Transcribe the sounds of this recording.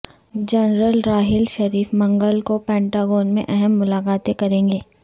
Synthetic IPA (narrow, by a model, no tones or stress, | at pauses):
d͡ʒɐnɾəlɾaːɦɪlʃɐɾiːfmɐ̃ŋɡəlkopɛ̃ːɳʈaːɡoːnmḛ̃ʔɛɦɛmːʊlaːkaːt̪ẽkɐɾẽːŋɡeː